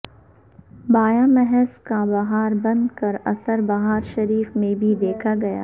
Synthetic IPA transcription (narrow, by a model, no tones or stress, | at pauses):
baːjamɛɦɛzkabɐɦaːɾbɐ̃nd̪kɐɾɐsəɾbɐɦaːɾʃɐɾiːfmẽbʱid̪eːkʰaɡɐja̰ː